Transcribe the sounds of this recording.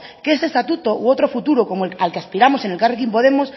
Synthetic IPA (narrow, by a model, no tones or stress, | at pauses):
keesest̪at̪ut̪oʔwot̪ɾo̞fut̪uɾoko̞moealkeaspiɾamo̞se̞nelkarek̬impo̞ð̞e̞mos